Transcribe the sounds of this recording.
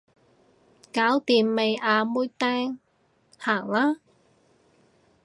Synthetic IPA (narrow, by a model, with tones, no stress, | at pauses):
kaː˨˥wt̪iː˨˩mːe˨˧jʔaː˧muː˥jt̪ɛː˥ŋ | haː˨˩ŋlaː˥